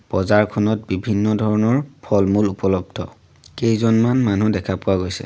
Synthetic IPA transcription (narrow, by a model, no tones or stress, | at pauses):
b̥ɔzaɹkʰɔnɔt̚bibʱinːɔdʱɔɹɔnɔɹpʰɔlmulupɔlɔb̚dʱɔ̰ | kejzɔnmanmanudɛkʰapʊaɡojsɛ̰